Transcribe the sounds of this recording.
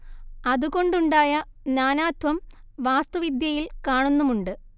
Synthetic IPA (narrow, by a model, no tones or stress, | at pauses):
ɐðuko̞ɳɖuɳɖaːjɐ | njaːnaːt̪ʋɐm | ʋaːst̪uʋid̪jɐjilkaːɳunːumuɳɖɨ